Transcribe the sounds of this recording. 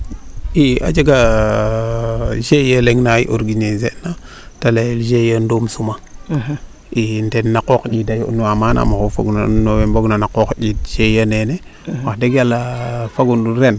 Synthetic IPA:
ia̰d͡ʒeɡa | d͡ʒejaleŋnaḭʔoɾɡiɲezeʔna | taleld͡ʒejəndomsuma | intenːakokd͡ʒidajo̰nuwamana̰makofa̰ɡunanowembaɡunanakokɟit̚d͡ʒejanene | wadeɡalafaɡunuɾen

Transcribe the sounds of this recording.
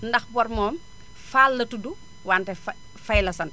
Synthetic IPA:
ndɐxbɔɾmɔːm | faːlːɐtudu | waːntɛf | fɐjlɐsɐn

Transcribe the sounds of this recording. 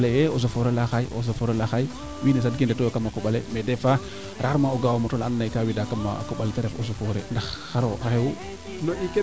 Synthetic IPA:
lejeoz̬ofoɾelaxaiʔo̰sofoɾelaxai | wiːnes̬ad̚ɡindetokamːakuɓalḛmedefa | ɾʔaɾmaoɡawomotolanːajkawidakama̰kuɓaleteɾefosofoɾḛndaxxaɾoxaxewu | noike

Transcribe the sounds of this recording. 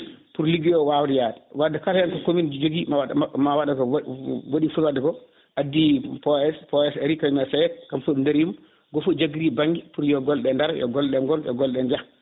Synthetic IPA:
puɾliɡijɔwawɾijaɗɛwadːɛkaljankɔkomind͡ʒoɡimawmawaɗakɔwoɗifuwadːɛkɔ | ʔadːipɔɛspɔɛsɛɾikamɛsajɛt̚kamfuɗundeɾjum | ɡɔfud͡ʒaɡiɾibaŋɡipuɾjɔɡɔlɗɛndaɾjɔ̰ɡɔlɗɛŋɡɔljɔ̰ɡɔlɗɛɲd͡ʒah

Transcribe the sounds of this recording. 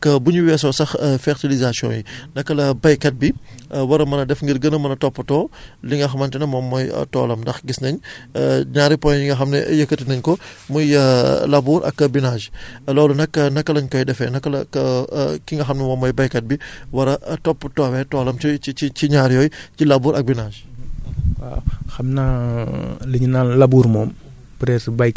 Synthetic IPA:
kːɐbuɲuwɛs̬ɔsɐxfɛɾtilizasijɔ̰̃ːnjinɐkːɐlɐbɐjkɐt̚biwɐɾɐmɐnɐdɛfŋɡiɾɡənəmɐnɐtɔpːɐtɔːliŋɡɐxɐmɐntinɐmɔmːɔjɐ̰tɔ̰ːlɐmdɐxɡisnɐɲ | ɲaːɾipɔjjiŋɡɐxɐmnɐ̰jɐkɐtinɐɲkɔmujɐlabuːɾʔɐ̰kːɐbinaːʒlɔːlunɐkːɐnɐkːɐlɐɲkɔjdɛfɛnɐkːɐlɐkɐkiŋɡɐxɐmnɐmɔmːɔjbɐjkɐt̚biwɐɾɐʔtɔpːtɔwɛtɔːlɐmt͡ʃiiiciɲaːɾjɔjcilabuːɾʔɐk̚binaːʒ | a̰xɐmna | liɲinanlabuːɾmɔːm | pɾɛsbɐjk

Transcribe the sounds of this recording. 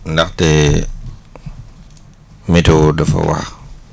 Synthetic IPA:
ndakte | mitodafa̰wa̰x

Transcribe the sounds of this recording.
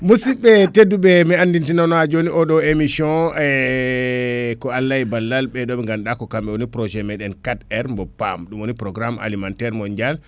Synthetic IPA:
musiɓɛteduɓɛmɛandintinɔnɔad͡ʒoniɔɗɔemisɔnɛ | kɔalːajbalːalɓɛɗɔɓɛŋɡanɗakɔkamɓɛwonipɾɔd͡ʒɛmɛɗɛnkatɛɾmbɔpːa̰mɗumwonipɾɔɡɾama̰limantɛɾmɔɲd͡ʒal

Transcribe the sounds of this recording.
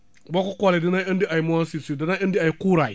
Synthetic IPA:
bokukoledinaəndiʔajmuansisudinaəndiajkuɾai

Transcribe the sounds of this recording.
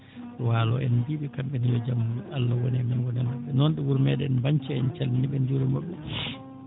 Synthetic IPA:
walɔ̰ʔɛnbiɓɛkamɓɛnijɔd͡ʒamːulaalːawɔnɛmɛnwɔnɛmaɓːɛnɔnɗɛwuɾmɛɗɛnbaɲt͡ʃɛɛnt͡ʃalniɓɛnd͡ʒuɾɛmaɓːɛ

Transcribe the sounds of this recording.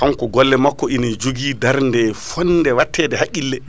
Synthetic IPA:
kaŋkɔɡɔlːɛmakːɔʔinid͡ʒuɡiːdaɾndɛfɔnːdɛwatʰːɛdɛhakːilːɛ

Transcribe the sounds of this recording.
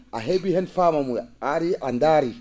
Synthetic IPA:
a̰ɦeɡihɛnfamamuaɾiʔandaɾi

